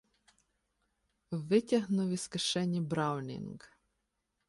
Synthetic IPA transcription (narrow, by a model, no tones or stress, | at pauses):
wʋɪtʲɐɦnʊʋʲiskɐʃɛnʲibɾɑwnʲḭŋɡ